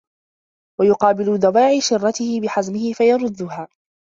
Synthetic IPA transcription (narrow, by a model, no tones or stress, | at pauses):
wajʊqɑːbɪlʊðˤɑbaːʕɪʃɪrˤːɑt̪ɪhɪbɪħazmɪhɪfajɑɾˤʊd̪ːʊɦaː